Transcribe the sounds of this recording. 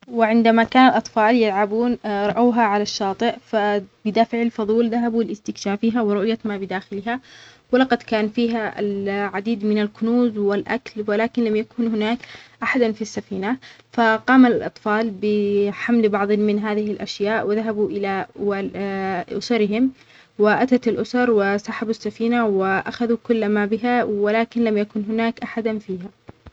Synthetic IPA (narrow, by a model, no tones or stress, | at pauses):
wɪʕɪnd̪amakaːnalʔɑt̪ˤfɑːljalʕabuːnɾˤɑʔaːɦaʕalaʃːɑːt̪ˤɨʔfabɪd̪aːfɪʕalfɑðˤuːlðaɦabuɪlɪst̪ɪkʃaːfiːɦawɪɾˤʊʔjamabɪd̪aːxɪlɦawɪlɑqɑd̪kaːnfiːɦaa̰lʕad̪iːd̪mɪnalkʊnuːzwɪlʔa̰klwɪlaːkɪnlamjakuːnhɪnaːkʔaħad̪anfisːafiːna | faqɑːmalɪlʔɑ̰t̪ˤfɑːlbɪħamlbɑʕðˤmɪnɦaːðɪhɪlʔaʃjaːʔwɪðaɦabuʔɪlawa | ʔʊ̰sɑɾɪɦɪm | wɪʔat̪at̪alʔʊsɑɾˤwɪsaħabasːafiːnawɪʔaxaðukʊlːmabɪɦawɪlaːkɪnlamjakʊnɦʊnaːkʔaħad̪anfiːha